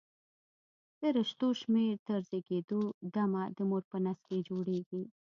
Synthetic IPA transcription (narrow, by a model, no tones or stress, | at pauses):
d̪̥əɾəʃt̪oʃmeɾt̪əɾzeɡed̪od̪amad̪əmoɾpənasked͡ʒoɽeɡi